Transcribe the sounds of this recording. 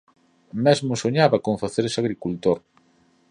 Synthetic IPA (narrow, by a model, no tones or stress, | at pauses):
mɛzmʊsoɲaβɐkõɱfaθeɾsaɣɾikult̪oɾ